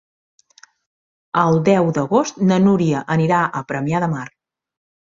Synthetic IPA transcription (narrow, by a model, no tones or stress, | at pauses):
əlˠd̪ɛwd̪əɣost̪nənuɾiəʔəniɾaʔəpɾəmiaðəmar